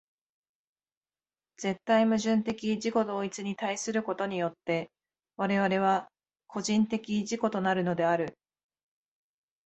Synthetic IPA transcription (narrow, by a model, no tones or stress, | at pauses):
d͡ze̞t̪ːaimɯ̟ʑɨ̃nt̪e̞kʲiʑiko̞d̪o̞ːit͡sɨɲ̟it̪aisɨɾɯ̟ko̞t̪o̞ɲ̟ijo̞t̪ːe̞ | βaɾe̞βaɾe̞β̞a | kʰo̞ʑĩnt̪e̞kʲiʑiko̞t̪o̞naɾɯ̟no̞d̪e̞aɾɯ̟